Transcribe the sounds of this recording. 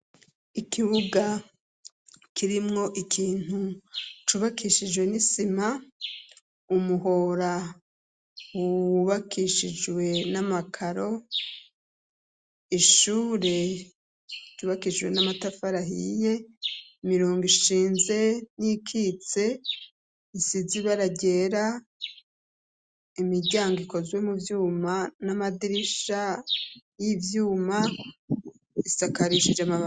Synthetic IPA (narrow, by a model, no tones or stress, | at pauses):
ikʰiβuɡa | kʰiɾimŋo̞ʔikʰiːn̥hut͡ʃuβakiʃid͡ʒwe̞nisima | umuho̞ɾa | wuwβakʰiʃid͡ʒwe̞namakʰaɾo̞ | iʃuːɾe̞ | ɟ̥uβakiʒwe̞namatafaɾaɦḭje̞imiɾoːŋɡiʃiːnze̞nikʰit͡se̞ | isiziβaɾaɟe̞ɾa | imiɟaːŋɡiko̞zwe̞muvjuːmanamadiɾiʃa | jivjuːma | isakaɾiʃid͡ʒamaβa